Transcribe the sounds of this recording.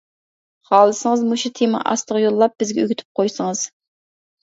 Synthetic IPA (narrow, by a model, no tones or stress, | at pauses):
χɑːlˠɨsɨŋɨzmuʃut̪ʰemɑʔɑ̰st̪əʁjolˠːɑp̚b̥ɪzɡʲɛy̰ɡʲyt̪ʰy̥p̚qʰojsɨŋɨz̥